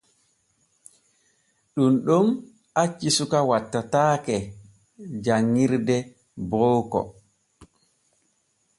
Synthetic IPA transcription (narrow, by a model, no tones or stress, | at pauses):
ɗumɗɔm | at͡ʃːisukawatːataːkɛ | d͡ʒaŋːiɾdɛ | bɔwkɔ̰